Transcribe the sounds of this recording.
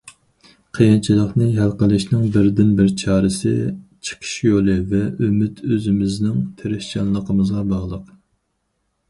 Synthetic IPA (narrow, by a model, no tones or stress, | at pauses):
qʰejɑnt͡ʃʰilˠəχnɨɦælqəlˠɪʃnɪŋbɪɾd̪ɪnbɪɾt͡ʃʰɑːɾɨsɪ̰t͡ʃʰə̥qʰə̥ʃjolˠɨvɛømɪt̪ʰøzɪmɪznɪŋt̪ʰeɾɪht͡ʃɑnlˠəqʰəmɨzʁɑbɑʁlˠəq